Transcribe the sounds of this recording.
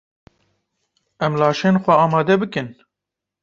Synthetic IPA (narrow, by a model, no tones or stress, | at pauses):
ɛmlɑːʃeːnxʷɛɑːmɑːd̪ɛbɨkɨn